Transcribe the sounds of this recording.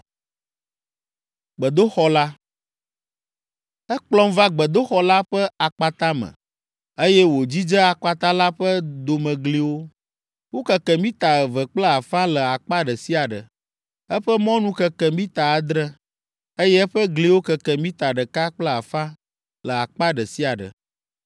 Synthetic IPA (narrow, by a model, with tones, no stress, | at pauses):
ɡ͡bə˨d̪o˦xɔ˦la˦ | ɛ˦k͡plɔ̃˦mva˦ɡ͡bə˨d̪o˦xɔ˨˦la˦ɸə˦a˨k͡pa˨t̪a˦mə̰̃˨ | e˦jɛ˦wo˨d͡ʑi˦d͡ʒə˦a˨k͡pa˨t̪a˦la˦ɸə˦d̪o˨mə̃˨ɡli˨wo˦ | wo˦kə˨kɛ˨mĩ˦t̪a˨və˨k͡plə˦a˨fã˦lə˨a˨k͡pa˦ɖə˨si˦a˨ɖə̰˨ | ə˦ɸə˦mɔ̃˦nũ˦kə˨kɛ˨mĩ˦t̪a˨a˨d̪ɾə˦ | e˦jɛ˦ɸə˦ɡli˨˦wo˦kə˨kɛ˨mĩ˦t̪a˨ɖə˨ka˦k͡plə˦a˨fã˦ | lə˨a˨k͡pa˦ɖə˨si˦a˨ɖə̰˨